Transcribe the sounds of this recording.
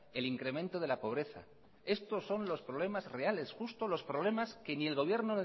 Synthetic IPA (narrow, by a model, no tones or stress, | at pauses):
e̞liŋkɾe̞mẽnt̪o̞ð̞e̞lapo̞β̞ɾe̞θa̰ | e̞st̪o̞sːo̞nlo̞spɾo̞βle̞mazre̞ale̞sxust̪o̞lo̞spɾoβle̞maske̞nie̞lɣo̞β̞je̞ɾnon